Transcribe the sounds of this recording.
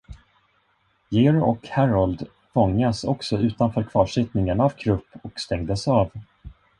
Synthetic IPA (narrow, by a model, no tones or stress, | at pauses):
jeɾɔkhæɾald̪ | fɔŋːasɔksɔʉ̟ːt̪anfœːɾkʰvɑːʂɪt̪nɪŋənavkʰɾɵpːɔkst̪ɛŋd̪əsɑːv